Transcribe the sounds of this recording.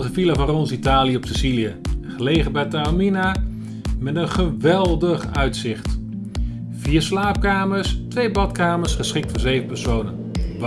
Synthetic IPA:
dəfilavɑnrɔnsitaːlijəɔpsɪzilijəχəlejχəbɛjtamina | mɛtənχəʋɛlˠdəχœɥtsɪχt | viːɹslaːp̚kaːməɹstʋejbɑtkaːməɹsχəsχɪk̚tfɔzejvəpɛɹsownənʋ

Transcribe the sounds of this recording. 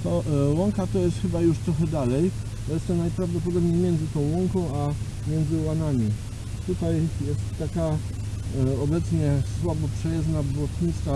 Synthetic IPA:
t̪ɔwɔŋkat̪ɔjɛst̪xɘbajuʂt̪ɾɔxɛd̪alɛj | jɛst̪ɔnajpɾavd̪ɔp̬ɔd̪ɔbɲejmʲjɛnzɘt̪ɔ̃w̃wɔŋkɔ̃w̃a | mʲjɛnd̪zɘwanamʲi | t̪ut̪ajjɛst̪ːaka | ɔbɛt̪sɲɛswabɔpʂɛjaznabɔt̪ɲit̪ska

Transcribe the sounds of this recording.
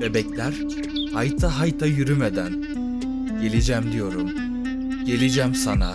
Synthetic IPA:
ebɛclʲæɾ̥ | hajt̪ʰaɦajt̪ʰajyɾymed̪æn | ɟ̥e̞lʲid͡ʒæmd̪ijo̞ɾum | ɟ̥e̞lʲid͡ʒæmsana̰

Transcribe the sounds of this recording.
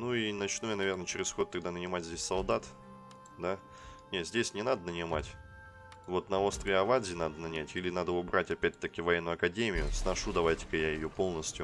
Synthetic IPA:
nuinɐt͡ɕnojənɐvʲe̞rnət͡ɕɪɾʲɪsxo̞t̪ːɐɡ̚d̪anənʲɪmatʲzʲdʲesʲsɐlˠd̪at̪ | d̪a | nʲet̪zʲdʲesʲnʲɪnad̪ənənʲɪma̰tʲ | vo̞t̪nɐo̞st̪ɾʲɪɐvad̪zʲɪnad̪ənɐnʲætʲilʲɪnad̪əʊbɾatʲɐpʲæt̚ʲt̪ːəkʲɪvɐjenːʊɐkɐdʲemʲɪjʊsnɐʂud̪ɐvajtʲɪ̥kəjajɪjo̞po̞lˠnəsʲtʲjʊ

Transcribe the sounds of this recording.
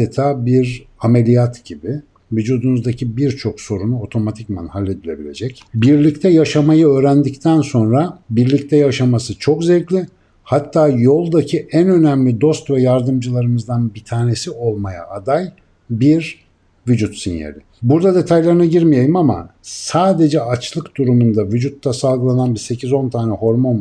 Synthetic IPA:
et̪ʰaːbiɾamelʲijat̪ɟ̥ibi | vyd͡ʒuːd̪unuzd̪acʰibiɾt͡ʃʰo̞kso̞ɾunuo̞t̪ʰo̞mat̪ʰicma̰nhalʲːed̪ilʲe̞̰bilʲe̞̰d͡ʒɛcbiɾlʲict̪ʰɛjaʃamajɯø̞ːɾænd̪ict̪ʰænso̞nɾabiɾlʲict̪ʰɛjaʃamasɯt͡ʃʰo̞kzɛclʲɪ | hat̪ʰːaːjo̞lˠd̪acʰiʔænø̞næmlʲid̪o̞st̪vɛjaɾd̪ɯmd͡ʒɯlˠaɾɯmɯzd̪anbit̪ʰaːne̞sio̞lˠmaja̰ʔːd̪aj | biɾ | vyd͡ʒut̪sinja̰ɾʲɪ | buɾd̪ad̪e̞t̪ʰajlʲˠaɾɯnaɟiɾmijajɯmama̰saːd̪e̞d͡ʒɛat͡ʃlˠɯkd̪uɾumund̪avyd͡ʒut̪ːasalˠɡɯlˠananbiɾse̞cʰizo̞nt̪ʰaːnɛho̞ɾmo̞n

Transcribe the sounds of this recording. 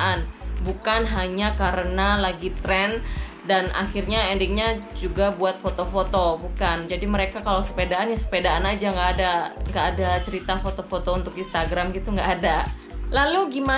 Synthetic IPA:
ʔanbukanɦaɲakaɾənalaɡit̪ɾɛn | danʔa̰xirɲaɛndiŋɲad͡ʒuɡabuat̪̚fot̪ofot̪obukand͡ʒadiməɾekakalawsə̥pedaʔanjaŋsə̥pedaanad͡ʒaŋɡaːdaŋɡaːdat͡ʃəɾit̪afot̪ofot̪ount̪ʊkinst̪aɡɾamɡit̪uŋɡaʔːda | laluɡima

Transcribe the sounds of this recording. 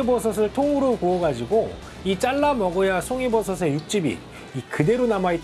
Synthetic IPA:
ibʌsʰʌs̬ʰɯɭtʰouɾokuʌɡad͡ʑiɡo | it͡ɕ͈aɭːamʌɡʌjasʰoŋibʌs̬ʰʌs̬ʰe̞juk̚t͡ɕ͈ibḭ | ikɯde̞ɾonamait͈

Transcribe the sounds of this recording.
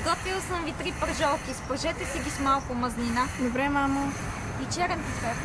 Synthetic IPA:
ɡɔt̪vilˠsəmvit̪ɾipəɾʒɔlˠkʲispəɾʒɛt̪ɛsiɡismalˠkʊmɐznʲinad̪obɾɛmamə | vit͡ʃɛɾɛnp̪ufɛ

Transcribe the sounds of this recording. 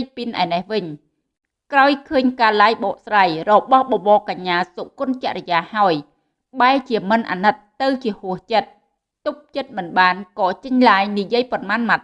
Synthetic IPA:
jpinʔa̰ɛnɛhʋɨɲ | kraɔjkʰəːɲkaːlaːjɓɑːʔsraːjrɔɓɑhɓɑɓɑːkaɲːaːsoʔkŭənt͡ɕɛ̆əʔrə̆jaːhaɔj | ɓaɛlt͡ɕiəmɨnʔa̰ːnɨt̪ːɨwt͡ɕiəhuəht͡ɕət̪̚ | t̪up̚t͡ɕət̪̚mɨnɓaːnkɑːt͡ɕəɲlaːjnijiəjponmaːnmat̪̚

